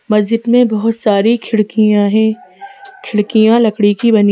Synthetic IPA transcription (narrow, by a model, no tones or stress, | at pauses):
mɐzd͡ʒɪd̪mẽbɐɦʊt̪saːɾikʰɪɽkiãɦɛ̃ | kʰɪɽkijãlɐkɽikibɐni